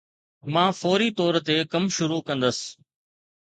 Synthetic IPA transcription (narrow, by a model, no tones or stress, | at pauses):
mãːfoːɾit̪ɔːɾt̪ekɐmʃʊɾukɐ̃nd̪əs